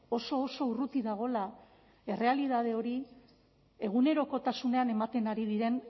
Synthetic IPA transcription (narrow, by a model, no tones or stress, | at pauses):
o̞so̞ːso̞urut̪iðaɣ̞o̞la | e̞re̞aliðað̞e̞o̞ɾi | e̞ɣ̞une̞ɾo̞ko̞t̪asune̞ane̞mat̪e̞naɾið̞iɾe̞n